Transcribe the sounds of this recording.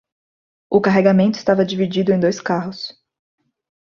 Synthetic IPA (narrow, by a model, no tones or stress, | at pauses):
ʊkaɦeɡamẽnt̪ʊɪst̪avɐd͡ʒivid͡ʒid̪ʊẽj̃d̪ojskaɦʊs